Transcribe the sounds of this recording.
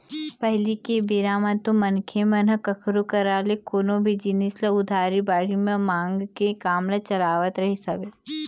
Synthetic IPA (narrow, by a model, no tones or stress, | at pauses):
pɐɦlikebiɾaːmə̃t̪omɐnkʰemɐnɐkɐkʰɾokɐɾaːlekoːnõbʱid͡ʒinisleʊd̪ʱaːɾibaːɽimẽmãːŋɡkekaːmlet͡ʃɐlaːʋət̪ɾɐɦisɐbeː